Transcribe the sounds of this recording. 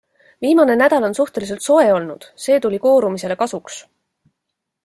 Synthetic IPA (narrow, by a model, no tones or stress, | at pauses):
viːmɑne̞næd̪̥ɑlo̞nsuht̪e̞lis̬e̞lt̪so̞e̞o̞lnṵd̪̥se̞ːt̪ulʲiko̞ːɾumise̞le̞kɑsuks